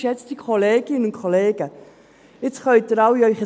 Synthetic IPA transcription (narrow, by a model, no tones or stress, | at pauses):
ʃjɛt͡std̥ikʰoleːɡɪnənʊnkʰoleːɡ̥ə | ɪt͡sχœʏtəɾawiœʏχə